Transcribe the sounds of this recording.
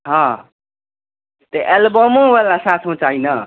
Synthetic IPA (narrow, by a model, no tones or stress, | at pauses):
ɦʌ̃ | t̪eʔelbʌmõbelasat̪ʰũt͡sajnʌ